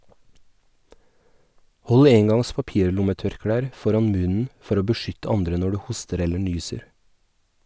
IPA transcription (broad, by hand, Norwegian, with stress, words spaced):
ˈhɔl ˈeːŋɡɑŋs pɑˈpiːɾˌlʊməˌtœɾˌkɽæːɾ ˈfɔɾɑn ˈmʉnn̩ ˈfɔɾ ˈoː bəˈʃʏtə ˈɑndɾə ˈnɔ ˈɽʉː ˈhʊstəɾ ˈɛlə ˈɳyːsəɾ